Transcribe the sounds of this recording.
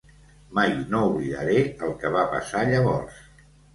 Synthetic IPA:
majnouβliðə̰ɾeəlˠkəβapə̰saʎəβ̞ɔ̰ɾs

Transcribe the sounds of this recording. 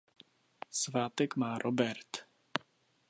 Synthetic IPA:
svaːt̪ɛkmaːɾʔobɛɾt̪

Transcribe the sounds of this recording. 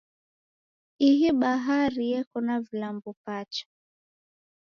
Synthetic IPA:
iɦiɓaɦaɾijɛkɔnavilambupat͡ʃḁ

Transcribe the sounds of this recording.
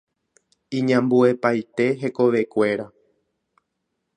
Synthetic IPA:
ĩɲãmbue̞pajt̪e̞ɦe̞ko̞ʋe̞kʷe̞ɾa

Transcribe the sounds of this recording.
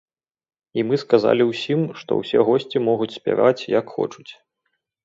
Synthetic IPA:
imɨskaza̰lʲiwsʲimʂt̪ɔ̰wsʲɛɣɔsʲt͡sʲimɔɣut͡sʲsʲpʲa̰va̰t͡sʲjakxɔ̰t͡ʂu̥t͡sʲ

